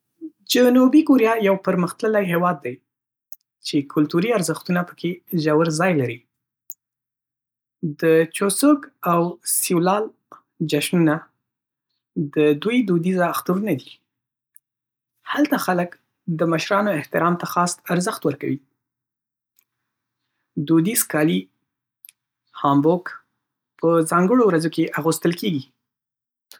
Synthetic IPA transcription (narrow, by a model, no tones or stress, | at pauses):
d͡ʒanubikoɾijɑjawpəɾməxt̪ləlajɦewɑd̪ːaj | t͡ʃekʰʊlt̪uɾiaɾzəxt̪unapə̥kʰeʒawəɾzɑjlaɾi | d̪ət͡ʃosəɡawsiwlɑl | d͡ʒaʃnuna | d̪əd̪ujd̪ud̪izaːxt̪uɾunad̪i | halt̪axalək | d̪əməʃɾɑnoɪht̪ɪɾɑmt̪axɑst̪aɾzəxt̪wəɾka̰wi | d̪ud̪izkɑli | hɑmbok | pəzɑŋɡəɽowɾazokeʔaɣust̪əlkeɡi